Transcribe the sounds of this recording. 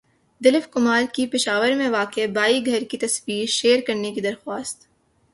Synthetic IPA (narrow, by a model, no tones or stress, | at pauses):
d̪ɪlɪfkʊmaːɾkipɪʃaːʋəɾmẽʋaːkebaːiɡʱɐɾkit̪ɐsbiːʃeːɾkɐɾnekid̪ɐɾxwaːst̪